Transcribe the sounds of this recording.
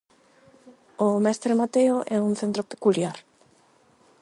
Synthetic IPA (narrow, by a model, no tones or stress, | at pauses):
omɛst̪ɾemat̪eoʔɛuŋθent̪ɾope̥kuljaɾ